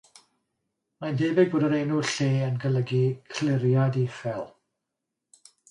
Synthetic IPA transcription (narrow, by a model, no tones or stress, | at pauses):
majndeːbɪboːdəɾejnuɬeːənɡələɡikʰlɪɾjadifɛlˠ